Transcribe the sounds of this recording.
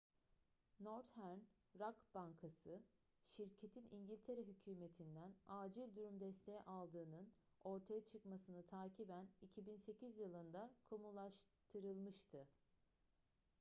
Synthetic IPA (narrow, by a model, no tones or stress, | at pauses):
noɾt̪hæɾn | ɾakbaŋkʰasɯ | ʃiɾcʰet̪ʰinʔiɲɟilʲt̪ʰe̞ɾɛɦycʰyːme̞t̪ʰind̪ænaːd͡ʒilʲd̪uɾumd̪ɛst̪ʰe̞jɛ̰ʔalˠd̪ɯːnɯn | o̞ɾt̪ʰajat͡ʃʰɯkmasɯnɯt̪ʰaːcʰibænicʰibinse̞cizjɯlˠɯnd̪akʰomulˠaʃ | t̪ʰɯɾɯlˠmɯʃt̪ʰɯ